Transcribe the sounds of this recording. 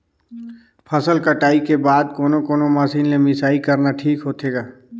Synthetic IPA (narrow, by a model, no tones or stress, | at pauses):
pʰəsəlkəʈaːikebaːd̪koːnokoːnomaːsiːnlemɪsaːikɐɾnaʈʰiːkɦoːt̪ɦeːɡaː